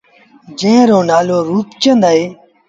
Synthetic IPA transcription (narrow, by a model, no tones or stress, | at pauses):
d͡ʒẽːɾoːnaːloːɾuːpt͡ʃə̃nd̪aːeː